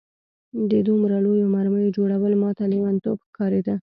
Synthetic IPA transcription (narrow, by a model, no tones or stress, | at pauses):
d̪əd̪umɾalojomaɾməjod͡ʒoɽawəlmɑt̪alewant̪obxkɑɾed̪a